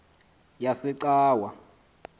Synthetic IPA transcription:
jasiǀaːwa

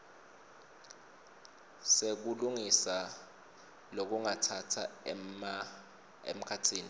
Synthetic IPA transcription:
sek̬uluŋisa | lok̬uŋatʰatʰa̰ | ḛm̩kʰatʰiːni

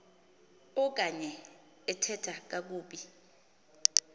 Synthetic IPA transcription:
ɔk̬aɲɛ | ɛtʰɛtʰak̬ak̬uːɓi

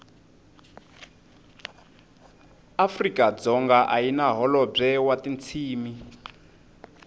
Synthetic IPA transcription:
afrikad͡zɔŋɡaʔajinaɦɔlɔb͡ʐɛwatint͡sʰiːmi

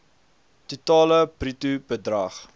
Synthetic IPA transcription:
tutɑːləbritubədrɐχ

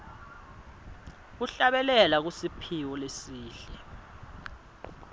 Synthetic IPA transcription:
k̬uɬaɓɛlɛlak̬usipʰiwɔlesiːɬɛ

